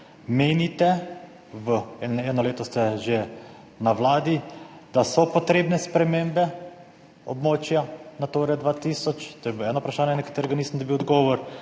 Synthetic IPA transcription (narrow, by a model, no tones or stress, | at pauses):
meːnit̪ɛ | ʋəɛɛːnɔleːt̪ɔst̪ɛʒe | naʋlaːd̪id̪̥asɔpɔt̪ɾeːbnɛspɾɛmembɛ | ɔbmoːt͡ʃjanat̪oːɾɛd̪ʋaːt̪iːsɔt͡ʃt̪oːjɛbilɛːnɔupɾaʃaːnjɛnɛkat̪eːɾɛɡaniːsənd̪ɔbiwɔd̪ɡɔːʋɔɾ